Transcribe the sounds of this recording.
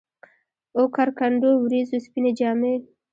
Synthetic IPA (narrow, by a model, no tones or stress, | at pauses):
okaɾkaɳɖowɾizuspined͡ʒɑːme